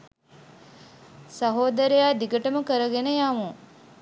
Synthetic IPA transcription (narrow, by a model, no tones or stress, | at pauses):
saɦoːd̪əɾejaːd̪iɡəʈəməkəɾəɡenəjamu